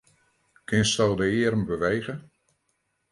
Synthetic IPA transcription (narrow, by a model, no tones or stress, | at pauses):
kʰɪnstɛlˠdəɪəɾəmbəʋejɣə